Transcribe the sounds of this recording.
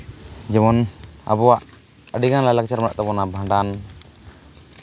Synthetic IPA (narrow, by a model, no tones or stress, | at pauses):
d͡ʒɛmɔna̰bɔwaʔ | əɖiɡanlalak̚t͡ʃaɾmaaʔt̪apɔnabʱãɳɖan